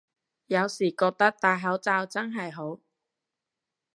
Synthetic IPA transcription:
jɐ˨˧wsiː˨˩kɔː˧k̚t̪ɐ˥k̚t̪aː˨jɦɐ˨˥wt͡saː˧wt͡sɐ˥nɦɐ˨jɦo˨˥w

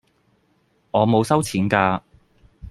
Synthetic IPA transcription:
ŋɔː˨˧mo˨˧wsɐ˥wt͡sʰiː˨˥nkaː˧

